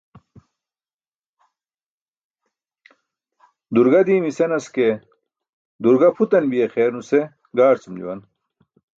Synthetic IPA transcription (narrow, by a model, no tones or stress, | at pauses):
d̪uɾɡɐd̪iːmisenɐske | d̪uɾɡɐpʰut̪ɐnbijexeːɾnuse | ɡaːɾt͡sumd͡ʑṵwɐn